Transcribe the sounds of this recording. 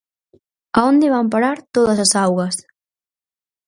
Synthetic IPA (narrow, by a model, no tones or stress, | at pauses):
aond̪ɪβamp̬aɾaɾt̪oðɐsɐsawɣɐs